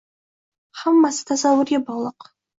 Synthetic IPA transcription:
ħamːasɨ̥t̪ʰazɑwʊrebɑlˠəq

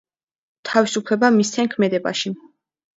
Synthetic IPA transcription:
t̪ʰavisupʰlɛbamist̪ʰɛnkʰmɛd̪ɛba̰ʃi

